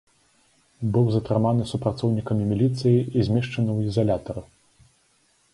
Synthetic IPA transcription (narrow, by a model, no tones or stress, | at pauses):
bɨwzɐt̪ɾɨmanɨsupɾat̪sɔwnʲikɐmʲimʲilʲit̪sɨjiizʲmʲɛʂt͡ʂɐnɨwizɐlʲat̪ɐɾu